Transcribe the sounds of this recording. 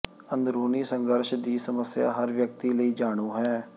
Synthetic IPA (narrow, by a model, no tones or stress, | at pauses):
ənd̪ɾuːniːsə̃ŋɡəɾʃd̪iːsəməsja̰ːɦəɾʋjəkt̪iːləiːd͡ʒaːɽ̃uːɦɛː